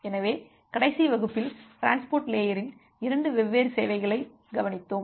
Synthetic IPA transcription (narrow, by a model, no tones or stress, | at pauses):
ɛnɐʋeː | kɐɽɐɪsiʋɐɣɯpːɪlʈɪɾaːnspoːɾʈleːjɐɾɪn | ɪɾɐɳɖɯʋɛʋːeːɾseːʋɐɪɣɐɭɐɪ | ɡɐʋɐnɪt̪ːoːm